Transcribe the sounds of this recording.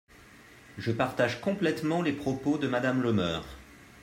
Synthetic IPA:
ʒəpaʁt̪aʒkɔ̃plɛt̪mɑ̃lepχɔpod̪əmad̪amlɔmœːʁ

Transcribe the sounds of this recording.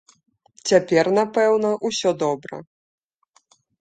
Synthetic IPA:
t͡sʲapʲɛrnapɛwnɐʔusʲɔd̪ɔbɾɐ̰

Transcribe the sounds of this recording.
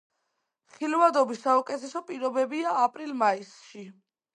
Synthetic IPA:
χilvad̪ɔbisaukʼɛt̪ʰɛsɔpʼiɾɔbɛbiaːpʼɾilmaisʃi

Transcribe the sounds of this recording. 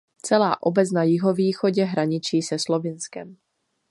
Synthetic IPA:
t͡sɛlaːʔobɛt͡snajɪɦoviːxoɟɛɦɾaɲɪt͡ʃiːsɛslovɪnskɛm

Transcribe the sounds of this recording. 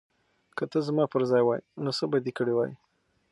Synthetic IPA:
kət̪əzmɑpəɾzɑjwɑjnosəbad̪ikəɽewɑ̰ji

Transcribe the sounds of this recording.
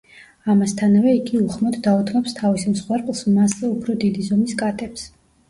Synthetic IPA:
amast̪ʰanavɛiɡiuχmɔd̪d̪aut̪ʰmɔpst̪ʰavismsχwɛɾqʼlˠsmaszɛupʰɾɔd̪id̪izɔmiskʼat̪ʼɛps

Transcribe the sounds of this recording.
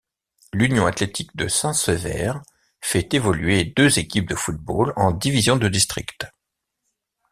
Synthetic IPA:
lynjɔ̃at̪let̪ʰik̚d̪əsɛ̃səvɛ̰ʁ | fɛt̪evɔlɥed̪øzekʲip̚d̪əfut̪̚bolɑ̃d̪ivizjɔ̃d̪əd̪ist̪χikt̪

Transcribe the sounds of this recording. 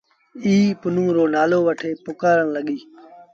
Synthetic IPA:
iːpʊnũːɾoːnaːloːʋəʈʰeːpʊkaːɾənləɠiː

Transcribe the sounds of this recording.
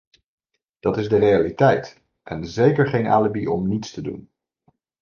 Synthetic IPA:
d̥ɑtɪzdərejalitɛjt | ʔɛnzejkəɹχejna̰ːləbiʔɔmnitstədṵn

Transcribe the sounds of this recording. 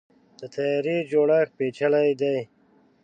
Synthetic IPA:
d̪̥ət̪ʰajaɾid͡ʒoːɽaxpet͡ʃʰalajd̪aj

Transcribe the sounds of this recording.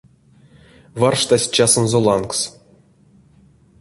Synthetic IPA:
varʂt̪asʲt͡ʃasonzolˠɑnks

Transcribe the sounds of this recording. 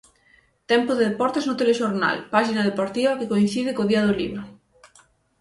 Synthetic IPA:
t̪ɛmpʊðeðepɔɾt̪eznot̪eleʃoɾna̰lpaʃinaðepoɾt̪iβɐkekoin̟θiðɪkoðiað̞olḭnʊ

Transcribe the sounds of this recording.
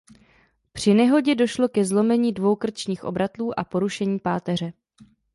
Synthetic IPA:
pr̝̥ɪnɛɦo̞ɟɛdo̞ʃlo̞kɛzlo̞mɛɲiːdvo̞wkr̩t͡ʃɲiːxʔobɾat̪luːʔapo̞ɾuʃɛɲiːpaːt̪ɛr̝ɛ

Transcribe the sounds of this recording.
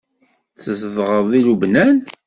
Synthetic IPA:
θəzəðʁəðˤilubnæn

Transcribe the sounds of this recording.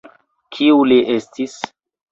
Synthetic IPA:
kʰiuliʔestis

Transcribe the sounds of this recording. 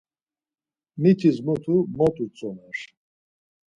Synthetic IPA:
mit̪ʰizmut̪ʰumɔt̪ʼut͡sʼɔnaʂ

